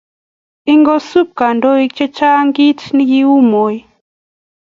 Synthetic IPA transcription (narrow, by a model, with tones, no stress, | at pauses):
i˦ŋɡɔ˦su˦p̚ka˨ndɔ˦i˦t͡ʃɛ˦t͡ʃa˦ŋɡi˦tni˦ji˦u˦mo˨i˦